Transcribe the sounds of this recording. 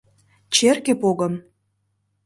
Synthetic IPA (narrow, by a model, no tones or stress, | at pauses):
t͡ɕerkĕpoɣə̆m